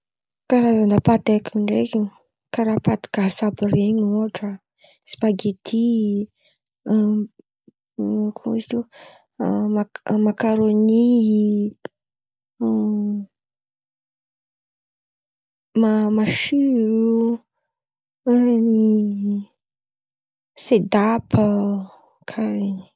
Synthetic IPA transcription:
kaɾazand̪apat̪ekiɳɖ͡ʐekiɲ | kaɾapad̪i̥kaɦsabəɾeɲoʈ͡ʂa | si̥paɡet̪ʰi | kʰuizt̪u | mamakaɾoni | mamaʃyɾu | ni | sed̪apʰə | kʰaɾeɲi̥

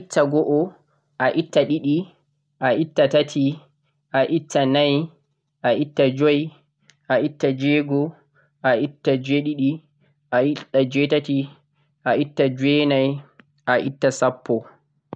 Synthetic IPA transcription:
itʰːaɡɔʔɔ | ʔaʔitːaɗiɗi | ʔaʔitːatatʰi | ʔaʔitʰːanaj | ʔaʔitːad͡ʒɔj | ʔaʔitːad͡ʒɛɡɔ | ʔaitːad͡ʒeɗiɗi | ʔaiad͡ʒɛtati | ʔaʔitːad͡ʒwɛːnaj | ʔaʔitːasapʰːɔ

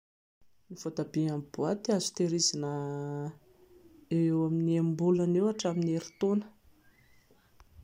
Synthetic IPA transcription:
niv̥ot̪abiamb̥uat̪iazu̥t̪eɾizanə | eewaminiembulanewaʈ͡ʂamineɾi̥t̪onə̥

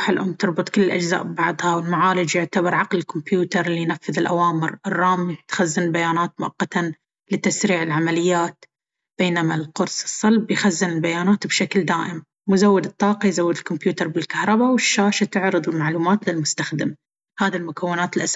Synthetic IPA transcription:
ħɪlʔʊmːt̪ɨɾˤbɨt̪ˤkɪlːɪlʔad͡ʒza̰ːʔbbɑʕðˤhɑwɪlmaʕaːlɪd͡ʒjʊʕt̪abɑɾˤʕɑqlɪlkʊmpjuːt̪ɑɾˤlːijnafːɪðɪlʔawaːmɪɾʔɪrˤːɑːmt̪xazːɪnɪlbajaːnaːt̪̚mʊʔɑqːɑt̪an | lɪt̪asɾiːʕɪlʕamalɪjːaːt̪ | b̥eːnamalqʊɾsɨ̥sˤːɑlbjxazːɪnɪlbajaːnaːt̪bʃakld̪aːʔɪm | mʊzawːɪd̪ɨt̪ˤːɑːqɑjzawːɪd̪ɪlkʊmpjuːt̪ɑɾˤbɪlkahɾˤɑbawɪʃːaːʃat̪ɪʕɾɨðˤɪlmaʕluːmaːt̪lɪlmʊst̪axd̪ɪm | haːðilmʊkawːɪnaːt̪ɪlʔas

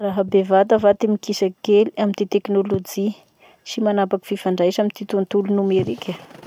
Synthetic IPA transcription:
raɦəbevat̪əvat̪emikisakeliamint̪et̪eknolod͡ʒi | ʃimanapaki̥fifaɳɖ͡ʐajʃamint̪it̪unt̪ulunumeɾikʲʰə

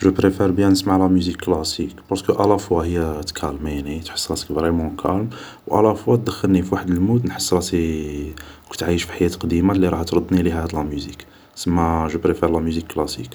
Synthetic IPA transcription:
ʒəpɾefɛɾbjæ̃nəsmaʕlæmyzikːlæsikpɑɾˤsə̥kəʔælæfwahəjːæt̪kʰælminit̪ħə̥sːˤɾɑt̪ə̥kvɾemɑ̃kʰælm | wʔæ̰læfwæt̪̚d̪əxːəlnifiwaħəd̪əlmud̪nħə̥sˤːɾɑt̪i | kut̪ʕajəʃfi̥ħajæt̪qd̪imalːiɾˤɑht̪ɾˤəd̪niliɦæd̪læmyzik | səmːaʒəpɾefɛɾlæmyzikːlæsḭk

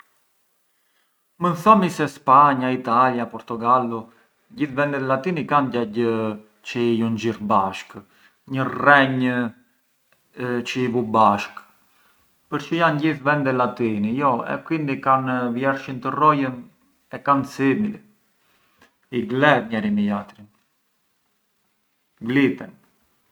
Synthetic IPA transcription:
mənθɔmisɛspaɲait̪aljapɔɾt̪uɡalu | ɟiθvɛnd̪ɛlat̪inikanɟaɟ | t͡ʃəijuɲd͡ʒiɾbaʃk | ɲərɛɲ | t͡ʃəivubaʃk | pəɾcəjanɟiθvɛnd̪ɛlat̪inijɔɛ̰kwind̪ikanvjɛɾʃint̪ərɔjən | ɛkansimil | iɡlɛðɲɛɾimijat̪ɾin | ɡlit̪ɛn

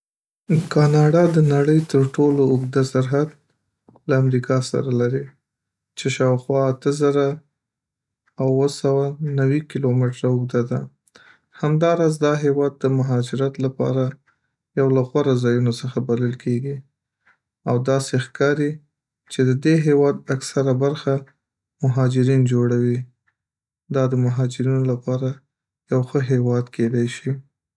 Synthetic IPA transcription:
kɑnɑɖɑd̪ənaɽəjt̪əɾʈoloʊɡd̪asaɾɦad̪ | laːmɾikʰɑsa̰ɾalaɾi | t͡ʃeʃɑwxwɑːt̪əzaɾa | wwəsawanawikilomɪʈɾaʊɡd̪ad̪a | hamd̪ɑɾɑzd̪ɑɦewɑd̪̚ːəmʊɦɑd͡ʒɪɾat̪lapɑ̰ɾa | jawlaɣwaɾazɑjunosəxabaləlkʰeɡi | awd̪ɑsexkɑɾi | t͡ʃed̪əd̪eɦewɑd̪aksaɾabaɾxa | mʊɦɑd͡ʒɪɾind͡ʒoɽawi | d̪ɑd̪əmʊɦɑd͡ʒɪɾinolapɑɾa | jawxəɦewɑd̪kʰed̪ajʃi

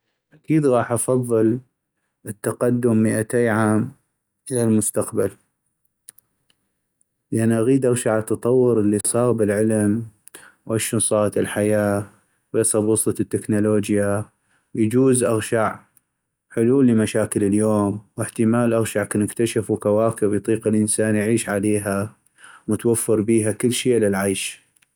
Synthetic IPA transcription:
ʔakiːd̪ɣɑːħʔɑfɑðˤːɨl | ɪt̪ːaqɑd̪ːʊmːɪʔat̪eːʕaːm | ʔɪlalmʊst̪aqbal | lʔanʔaɣiːd̪ʔaɣʃaʕat̪ːɑt̪ˤɑwːʊɾəlːisˤɑːɣbɪlʕɪlm | wʔaʃunsˤɑːɾˤɑt̪ɪlħajaː | wjɑsˤɑbwʊsˤɑt̪ːɪknuloːd͡ʒja | jad͡ʒuːzʔaɣʃaʕ | ħʊluːlːimaʃaːkɪlɪljoːmwɪħt̪əmaːlʔaɣʃaʕkanɪkt̪aʃafwkawaːkɪbjt̪ˤiːqɪlʔənsaːnjʕiːʃʕaleːɦa | wət̪wafːɨɾbiːɦakɪlːʃiːʔlɪlʕajʃ

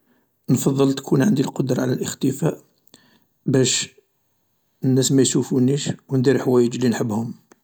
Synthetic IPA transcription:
nfɑðˤːəlt̪kʰunʕənd̪ilqod̪ɾˤɑʕlælʔəxt̪əfæʔ | bæʃ | ənːæsmæjʃufuniʃwənd̪iɾħwæjəd͡ʒlinħəbːhʊm

